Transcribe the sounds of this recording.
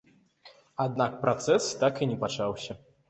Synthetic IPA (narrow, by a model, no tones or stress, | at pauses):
ad̪nak̚pɾat̪sɛst̪akinʲɛpat͡ʂawsʲɐ